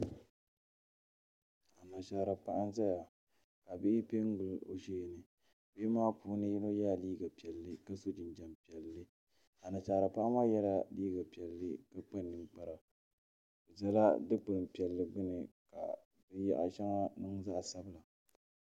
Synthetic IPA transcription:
a˨na˨ʃaː˨ɾa˨pa˦ʔa˦n˦za˦ja˨ | ka˨bɪ˦ʔɪ˦pe˦ŋ˦ɡʊ˦˨lo̰˨ʃeː˦˨nɨ˨ | bɪ˦maː˦puː˦nɨ˦ji˦no˦jaː˦˨liː˦ɡa˨pi˨ɛ˨lːɨ˦ka˦so˦d͡ʒɪ˨nd͡ʒa˨mpi˨ɛ˨lːɨ˦ | a˨na˨ʃaː˨ɾa˨pa˦ʔa˦maː˦jɛ˦la˦liː˦ɡa˨pi˨ɛ˨lːɨ̰˦ka˦k͡pa˦nːɨ˨mk͡pa˨ɾa˨ | za˦la̰˦dɨ˦k͡pɨ˨ɾɨ˨mpi˨ɛ˨lːɨ˨ɡ͡bʊ˦nɨ˨ka̰˨ | bɨ˦ja̰˦ʔa̰˦ʃa˦ŋa˦nɨ˦ŋza˦ʔa˨sa˦bɨ˦la˨

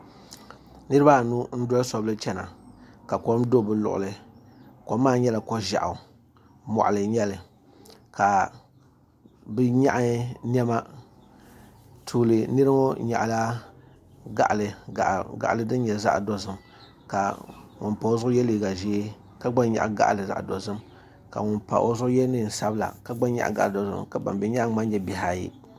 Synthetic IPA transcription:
nɨ˦ɾɨ˦ba˦˨nu˦n̩˦dɔ˦la˦sɔ˦bɨ˦t͡ʃɛ˦na̰˨ka˨kɔ˦m˦do˦˨bɨ˨lʊ̰˨ʔʊ̰˨lɨ˨ | ko˨˦mːaː˦ɲɛ˦la˨kɔ˦ʒa̰˨ʔa˨ | mɔ̰˨ʔlɨ˨ɲɛ˦lɨ˨ | ka˨ | bɛ˦ɲa̰˦ʔa˦nɛ˦ma˦ | tʰuː˨lɨ˨nɨ˦ɾɨ˦mo˦ɲa̰˨ʔla˦ | ɡa̰˨ʔlɨ˨ɡa̰˨ʔlɨ˦dɨ˦n˦ɲɛ˨za̰˦ʔdo˨zɨ˨m | ka̰˨ŋʊ̰˨npa˨o˦zʊ˦ʊ˦jɛ˦li˨ɡa˨ʒi˦e˦ | ka˦ɡ͡ba˦n˦ɲa̰˨ʔɡa̰˦ʔlɨ˨za̰˦ʔdo˨zɨ˦m | ka̰˨ŋʊ˨npa̰˨ʔo̰˦zʊ˦ʔʊ˦jɛ˦nɨ˦n̩˨sa˦bɨ˦la̰˨ka˨ɡ͡ba˦n˦ɲa̰˦ʔa̰˨ɡa̰˦˨ʔdo˨zɨ̰˦mka˨ba̰˨mbɛ˨ɲa˦ʔŋ˦ma˦n˦ɲɛ˦bɛ˨ha˨jḭ˦

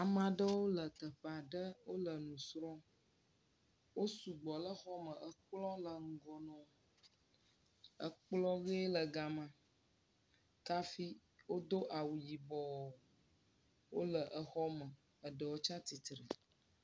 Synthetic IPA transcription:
a˨mã˨ɖə˦wo˦lə˨t̪ə˨ɸa˨ɖə˦wo˦lə˨nũ˨sɾɔ̃˦ | wo˦su˨ɡ͡bɔ˨lə˦xɔ˦mə˨ʔə˨k͡plɔ˦lə˨ŋ̩˦ɡɔ˨nɔ̃˨ | ə̰˦k͡plɔ˦ve˦lə˨ɡa˨mã˦ | ka˦fi˦ | wo˦d̪o˦ʔa˨wu˨ji˨bɔ˨ | wo˦lə˨ʔə˨xɔ˦mə˨ | ə˨ɖə˨wo˦t͡ʃa˦t̪i˨t̪ɾə˨

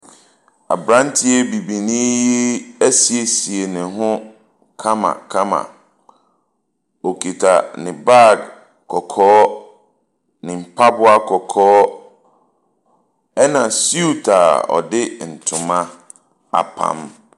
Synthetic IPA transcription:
a̰˨bɾã˦n˦tʰɪ˦ɛ˦bi˨bi˨nĩ˦ji˦æ˦si˨e˨si˨e˨nɪ̃˨ɦʊ̃˦ | kʰã˦mã̰˨kʰã˦mã̰˨ | o˨kʰi˨tʰa̰˨nɪ̃˨ba˦˨ɡ | kʰːɔ˨kʰɔː˦ | nɪ̃˨m̩˨pʰa˦bʊ˦a˦kʰɔ˨kʰɔː˦ | ɛ˦nã˨su˦u˦tʰa̰˨ɔ̰˨dɪ˦n̩˨tʰʊ̃˨mã˦ | a̰˨pʰã̰˨m

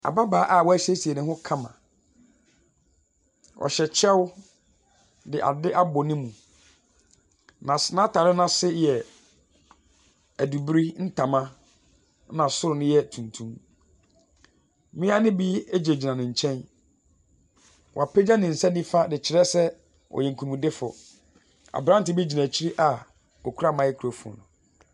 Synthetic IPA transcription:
a̰˨ba˦baː˨˦ʔa˦˨wɔ˦æ˦ɕe˦si˨ɛ˨nɪ̃˦hʊ̃˦kʰã˦mã̰˨ | ʔɔ̰˨ɕɛ˨t͡ɕʰɛ˦w | dɪ˨ʔa̰˨dɪ˦ʔa˦bɔ˨nɪ̃˦mũ˨ | nã˨sɪ˨nã˦tʰa˨ɾɪ˦nã˦sɪ˦jɛ˨ | æ˨du˨bɾi˦n̩˦tʰa˨mã˦ | nã˨sʊ˦ɾʊ˨nʊ̃˦jɛ˦tʰũ˨ntʰũ˦m | mɪ̃˦a˦nɪ̃˦bi˦e˦d͡ʑe˨d͡ʑi˨nã˨nɪ̃˨ɲ̩˨t͡ɕʰɛ̃˦n | wʔa˨pʰɛ˦d͡ʑa˦nɪ̃˨n̩˨sɛ˦nĩ˦fa˦dɪ˨t͡ɕʰɪ˨ɾɛ˦sɛ˦ | ɔ̰˨jɛ˨ŋ̩˨kʰũ˨dɪ˦fʊ̰˨ | a̰˨bɾã˦n˦tɪ˨bi˦d͡ʑi˨nã˨t͡ɕʰi˦ɾi˦ʔa˨ | ɔ˨kʰu˦ɾa˦˨mã˨˦jɛ˦kʰɾo˨fu˨ɔ̰˨nʊ̰̃˨

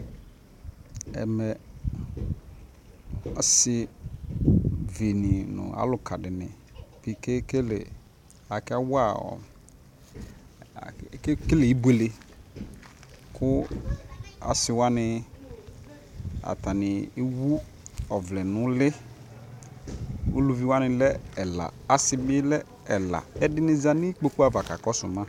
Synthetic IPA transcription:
ɛ̰˨mɛ˨ | a˨˦sɪ˨ | ve˨nĩ˨nʊ̰̃˨a̰˨˦lʊ˨kʰa˨dɪ˨nɪ̃˨ | v̥i˨ke˦ke˦lḛ˨ | a˨ka˦wa˦˨ɔ̰˨ | kke˦le˨i˦be˨le˨ | kʊ˦ | a̰˨sɪ˨wa˦nɪ˨ | a̰˨ta˨nɪ˨e˦wu˦ | ɔ˨vlɛ˨nʊ̃˦lɪ˦ | o̰˦lu˨vi˦wa˦nɪ̃˨lɛ˦ɛ˨la̰˨a˨sɪ˨bɪ˦lɛ˦ | ɛ˨la̰˨ɛ˦dɪ˦nɪ˨za˨nɪ˦k͡po˦ku˦a˦˨va˨ka˨kɔ˦sʊ˨mã˦

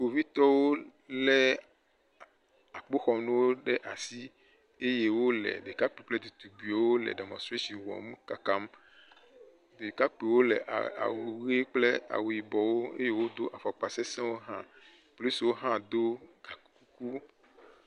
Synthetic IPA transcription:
ko˨vi˦t̪ɔ˦wo˦lɛ˨ | a˨k͡po˦xɔ˨nũ˦wo˦ɖɛ˦ʔa˨si˦ | e˦je˨wo˦lɛ̰˨ɖe˨ka˦k͡pi˨k͡plɛ˦d̪u˨t̪u˨ɡi˨˦wo˦lɛ̰˨ɖa˨mɔ̰̃˨st̪ɾe˦ʃi˨wɔ̰˨m˦ka˨ka˦m | de˨ka˦k͡pe˨wo˦lɛ̰˨ʔa̰˨a̰˨wu˨ɣe˦k͡ple˦a̰˨wu˨i˨bɔ˨wo˦ḛ˦je˦wo˦d̪o˦ʔa˨fa˨k͡pa˨sɛ˦sɛ̃˦wo˦ɦã˦ | plu˦swo˦ɦã˦d̪o˦ɡa˨ku˦ku˦ku˦

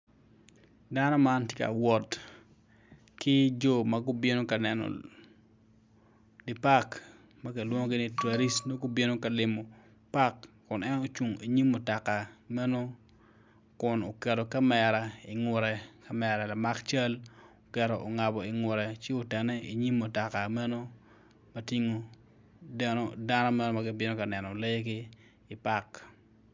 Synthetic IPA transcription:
da˦nɔ˦ma˦ntjɪ˦ka̰˨wɔ˨t | kɪ˦d͡ʒo˦mɐ˦ɡʊ˦bi˦no˦ka˨nɛ˨nɔ̰˨ | dɪ˨pa˦k | mɐ˦ke˨lwo˦ŋo˦ɡɪ˦ni˦tɾa˨ɾi˦sno˦ɡʊ˦bi˦no˦ka˨lɪ˨mo˨ | pa˦kːʊ˨nɛ˦no˦t͡ʃu˨ŋi˨ɲi˦mːʊ˨ta˨ka˨mɛ˦no˦ | kʊ˨no˨kɛ˨ɾo˨ka˦mɛ˨ɾa˨i˨ŋʊ˨ɾɛ˨kɐ˦mɛ˨ɾa˨la˨ma˦kt͡ʃa˦lo˨kɛ˨ɾo˨ʔo˨ŋa˨bɔ˨ɪ˨ŋʊ˨ɾɛ˨t͡ʃɪ˦o˦tɛ˨nɛ˦i˨ɲi˦mːʊ˨ta˨ka˨mɛ˦no˦ | mɐ˦ti˦ŋo˦ | dɛ˦no˦da˦nɔ˦mɛ˦no˦mɐ˦ɡɪ˨bɪ˦no˦kɐ˨nɛ˨nɔ˨le˦jɡɪː˦˨ | pa˦˨k

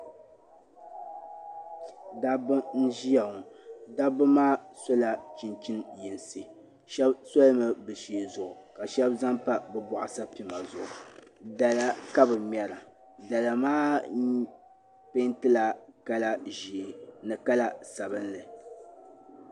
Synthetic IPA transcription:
da˦bʊ˦n̩˦ʒi˦ja˨ŋ˨da˦bɨ˦maː˦so˦la˨t͡ʃi˨nt͡ʃi˦nji˨nsi˨ | ʃɛ˦bso˦lɨ˦mɨ˨bɨ˨ʃi˨zʊ˨ʔʊ˨ka˨ʃɛ˦bza˦mpa˦bɛ˦bɔ˨ʔʊ˨sa˦pi˨ma˨zʊ˨ʔʊ˨da˨la˦ka˦bɨ˨mjɛ˨ɾa˨ | da˨la˨maː˦ | pe˦ntɨ˦la˨ka˦la˦ʒi˨nɨ˨ka˦la˦sa˨βɨ˦nlɨ˨

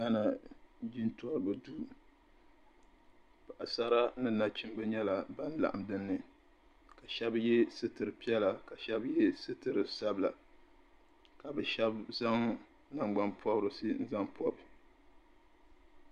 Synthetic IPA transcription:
ɡa˦na˨d͡ʒi˦ntɔ˦ɾɨ˨bɨ˨duː˦ | pa˨ʔa˨sa˦ɾa˦nɨ˦na˦t͡ʃi˦mbɨ˦ɲɛ˦la˨ba˦n˦la̰˨ʔa˨mdɨ˦nːɨ˨ | ka˨ʃɛ˦bjɛ˦sɨ˦tɨ˨ɾɨ˨pi˦ɛ˦la˨ka˨ʃɛ˦bjɛ˦sɨ˦tɨ˨ɾɨ˨sa˦bla˨ | ka˨bɨ˨ʃɛ˦bza˦ŋ | na˨ŋɡ͡ba˦npɔ˦bɾɨ˨sɨ˦n̩˦za˦ŋpʰɔ˦b

